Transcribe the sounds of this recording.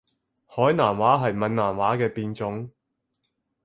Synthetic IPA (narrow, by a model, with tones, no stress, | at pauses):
hɔː˨˥jnaː˨˩mwaː˨˥ɦɐ˨jmɐ˨nnaː˨˩mwaː˨˥kɛː˧piː˧nt͡sʊ˨˥ŋ